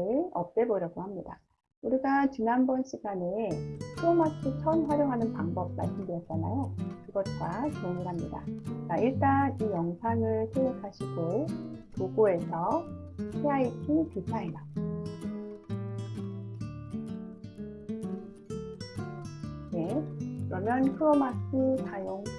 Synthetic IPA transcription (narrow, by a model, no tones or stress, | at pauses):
ɯɭʌp̚t͈e̞boɾjʌɡohamɲida̰ | uɾiɡat͡ɕinanbʌnɕʰiɡanetʰomatʰot͡ɕʰʌnɸwaɾjoŋɦanɯnpaŋbʌb̚ma̰ɭs͈ɯmdɯɾjʌt̚t͡ɕ͈ana̰jokɯɡʌt̚k͈at͡ɕoŋɯɭɦamɲida̰t͡ɕaiɭt͈anijʌŋsʰaŋɯɭsʰejokʰaɕʰiɡotoɡoe̞sʰʌ | pʰeaitʰipisʰaida | ne̞kɯɾʌmjʌnkʰɯɾʌmasʰɯtajoŋ